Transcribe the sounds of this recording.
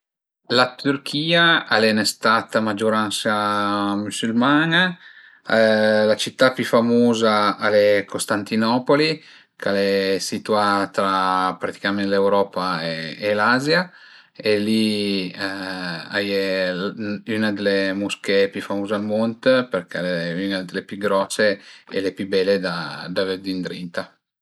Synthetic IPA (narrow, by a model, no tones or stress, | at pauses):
lat̪yrkʰiːaalɛnest̪at̪amad͡ʒoɾansamysylmana | lat͡ʃit̪ːapyfamoːzaalɛkʰost̪ant̪inɔpoli | kalɛsit̪uat̪ɾapɾat̪i̥kamenlewɾɔːpaeːlazja | eli | a̰je | ynad̪elemuskepjyfamoːzealmont̪peɾkaleynad̪elepjyɡɾɔsːeḛlepjybɛlːed̪ad̪aveɾd̪ind̪ɾint̪a